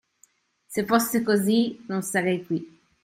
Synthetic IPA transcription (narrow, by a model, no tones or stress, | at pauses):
sefosːekozinonsaɾɛjkwi